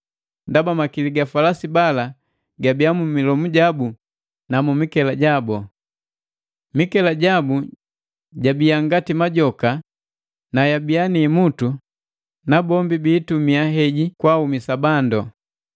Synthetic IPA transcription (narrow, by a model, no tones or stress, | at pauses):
ndabamakiliɡafalasibala | ɡabijamumilɔmuɟabu | namumikɛlaɟabɔ | mikɛlaɟabu | ɟabijaŋɡatimaɟɔka | najabijanimutu | nabɔmbibiːtumiaɦɛɟikwaumisabandɔ